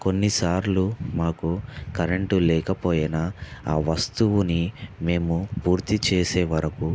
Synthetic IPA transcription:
ko̞nːisaːɾlumaːkukɐɾeɳʈulɛːkɐpoːjɐnaa̰ːʋɐst̪uʋunime̞ːmupuːɾt̪it͡ʃeːseːʋɐɾɐku

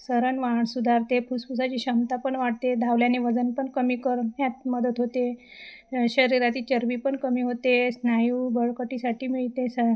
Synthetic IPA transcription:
səɾənʋaɳsud̪ʱaɾt̪epʰuspusat͡ɕiːɕəmt̪apəɳʋaʈ̚t̪ed̪ʱaʋljaneʋəd͡zənpəɳkəmiːkəɾɦjat̪̚məd̪ət̪ɦot̪e | ɕəɾiɾat̪iːt͡ɕəɾʋipəɳkəmiːɦot̪esnajuːbəɭkəʈisaʈʰiːmiɭt̪esə

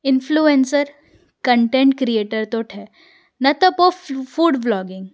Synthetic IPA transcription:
ɪnfʰluensəɾ | kəɳʈẽɳʈkɾieːʈəɾt̪oʈʰɛː | nɐt̪opofuːɖblɔːɡɪ̃ŋɡ

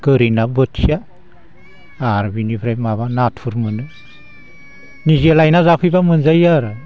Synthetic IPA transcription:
ɡ̥ɯɾinabɯtsia | ɾbinipʰɾajmaβanatpʰuɾmɯnɯ | nizialajnazapʰɯjbamɯnzajaɾɯ

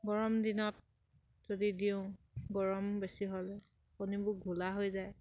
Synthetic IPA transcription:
ɡɔɹɔmdinɔt̚ | z̥odidiʊ̃ | ɡɔɹɔmbesiɦolɛ | xonibʊɡʱulaɦojzaj

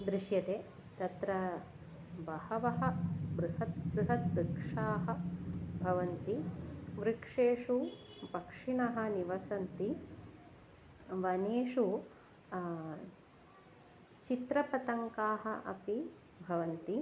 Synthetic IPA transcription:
d̪ɾiʃjɐt̪eː | t̪ɐt̪ɾɐ | bɐhɐʋɐɦɐ̆bɾuɦɐt̪̚bɾuɦɐt̪̚bɾikʂaːɦɐ̆bʱɐʋɐnt̪iʋɾikʂeːʂupɐkʂiɳɐɦɐ̆niʋɐsɐnt̪i | ʋɐneːʂu | t͡ʃit̪ɾɐpɐt̪ɐŋkaːɦɐʔɐpi | bʱɐʋɐnt̪i

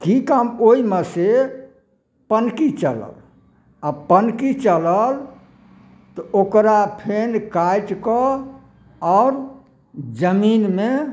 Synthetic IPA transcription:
kikamoiməse | pənkit͡ʃələ̰l | apənkit͡ʃələl | t̪ɔʔokɾapʰenkajʈkɔ | ɔɾ | d͡ʒəminme

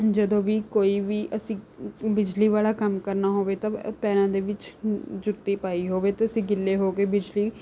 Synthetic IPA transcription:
d͡ʒəd̪õːʋiːkoːiːʋiːʔəsĩːbɪd͡ʒliːʋaːlaːkəmkəɾnaːɦoːʋeːt̪ãːpɛːɾãːd̪eːʋɪt͡ʃd͡ʒʊt̪ːiːpaːiːɦoːʋeːt̪eəsĩːɡɪlːeːɦoːkeːbɪd͡ʒliː

